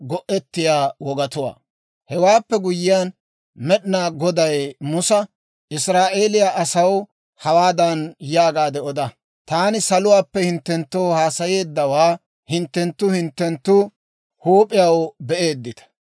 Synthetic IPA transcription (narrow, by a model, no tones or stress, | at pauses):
ɡɔʔɛt̪ːɪjaːwɔɡɐt̪ʊwa̰ː | hɛwaːpːɛɡʊjɪjan | mɛɗɪnaːɡɔd̪ɐjmʊsɐ | ʔɪsɾaːʔe̞ːlɪjaʔɐsɐw | hɐwaːd̪ɐnjaːɡaːd̪ɛɔd̪ɐ | t̪aːnɪsɐlʊwaːpːɛhɪnt̪ːɛnt̪ːoːhaːsɐje̞ːd̪ːɐwaː | hɪnt̪ːɛnt̪ːʊhɪnt̪ːɛnt̪ːʊ | huːpʼɪjɐwbɛʔe̞ːd̪ːɪt̪ɐ̥